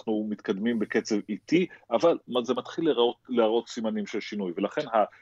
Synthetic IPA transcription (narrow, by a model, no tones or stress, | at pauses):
χnumit̪kad̪mimbe̞ke̞t͡se̞vit̪iʔavalmzemat̪χilːeoleaʁo̞t̪simanimʃelʃinujve̞laχe̞nɦa